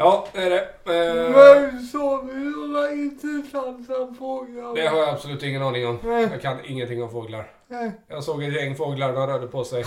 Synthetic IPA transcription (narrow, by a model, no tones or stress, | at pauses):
ɑːd̪ɛæɖɛ | ɛsɔːdɪɔɾaɪt̪ʰislansɔmfoːɡlad̪ɛɦaɾjaab̥sɔlʉ̟ːt̪ɪŋːənɑːnɪŋɔmjɑkʰanɪŋːənt̪ɪŋːɔmfoːɡla̰ɾ | jɑːɡsoːɡɛt̪jɛŋːfoːɡlaɳaɾøːɖ̪əpʰɔsɛj